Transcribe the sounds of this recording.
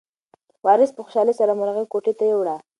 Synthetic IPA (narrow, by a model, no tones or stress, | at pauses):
wɑɾɪspəxʊ̥ʃɑlesaɾamʊɾaɣɪkoʈet̪ajewɽa